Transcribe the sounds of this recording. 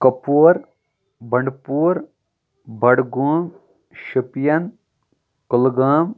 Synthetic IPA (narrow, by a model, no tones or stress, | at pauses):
kɐpuːɾ | bɐɳɖpuːɾ | bɐɽɡuːm | ʃipjɐn | kʊlɡaːm